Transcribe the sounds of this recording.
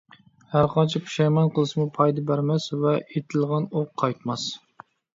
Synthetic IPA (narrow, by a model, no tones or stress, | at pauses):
hæɾqɑnt͡ʃʰipʰu̥ʃɑjmɑnqʰəlˠɨʃmupʰɑjd̪ɑbæɾmɛsvɛet̪ʰɪlˠʁɑnoqʰːɑjt̪mɑs